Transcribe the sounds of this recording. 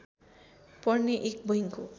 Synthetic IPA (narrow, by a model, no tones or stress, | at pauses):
pʌrneʔek̚bʌɦiŋko